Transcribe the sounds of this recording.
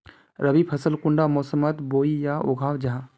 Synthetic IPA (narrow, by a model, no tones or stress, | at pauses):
ɾəbipʰɐsəlkʊɳɖamɔːsəmət̪boːijao̰ɡʱaːwd͡ʒaɦã